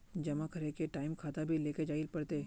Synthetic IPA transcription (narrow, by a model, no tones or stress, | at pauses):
d͡ʒɐmakʰɐɾekeʈaːɪmkʰaːt̪abʱileːked͡ʒaːilpɐɽt̪eː